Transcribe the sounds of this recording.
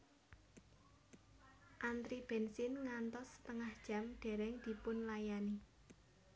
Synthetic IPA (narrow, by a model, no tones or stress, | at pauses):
ʔand̪ɾib̥ɛnsɪnŋant̪ɔsə̥t̪əŋahd̥ʒ̥ä̤mɖ̪̥e̤ɾɛŋd̪̥i̤pʊnlajani